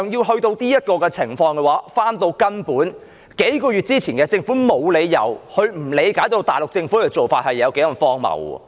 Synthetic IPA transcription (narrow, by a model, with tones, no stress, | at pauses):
ŋjiː˧wɦɵ˧ɥt̪o˧wt̪iː˥jɐ˥t̚kɔː˧kɛ˧t͡sʰɪ˨˩ŋfɔː˧ŋkɛ˧waː˨˥faː˥nt̪o˧wkɐ˥npuː˨˥n | ke˨˥jkɔː˧ɥyː˨t̚t͡siː˥t͡sʰiː˨˩nkɛː˧t͡sɪ˧ŋfuː˨˥mo˨˧wle˨˧jːɐ̰˨˩whɵ˧ɥm̩˨˩le˨˧jkaː˨˥jt̪o˧wt̪aː˨jlʊ˨k̚t͡sɪ˧ŋfu˨˥kɛː˧t͡so˨wfaː˧t̚hɐ˨jːɐ˨˧wke˨˥jkɐ˨˧˩ŋfɔː˥ŋmɐ̰˨˩w̰